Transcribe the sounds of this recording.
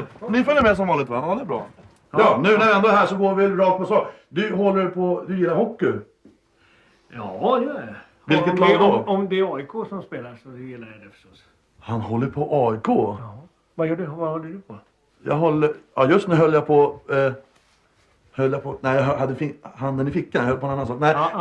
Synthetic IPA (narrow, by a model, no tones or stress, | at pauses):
nɪfœlːəɾmɛs̬ɔmvɑːlɪt̪vahanhɔlːət̪̚bɾɑ̰ː | jɑːnʉ̟ːnæɾɪɛnd̪oɛhɦæːʂɔɡoːɾvɪɾɑːk̚t̪̚pʰɔsɑːd̪ɵɦɔlːəɾpʰɔd̪ɵjɪlːaɾhɔkːʏ | jɑːjɔ | vɪlkət̪lɡɔmd̪ɛːɑːɪkʰoːsɔmspeːlasɔd̪ɵjɪlːaɾɛd̪ɛfə̥ʂɔs | hanhɔlːəɾpʰɔʔɑːʏkʰoː | vajœːɖvahɔlːəɖɵpʰɔ | jɑ̰ɡɦɔlːəjɑjɵst̪nʉɾɦœljapʰɔ | hœlːjapʰɔnæɪjaɦɦad̪ːəfɪhand̪ənɪfɪkːanjahœlːəpɔnɛnanːansɑːk̚næɪ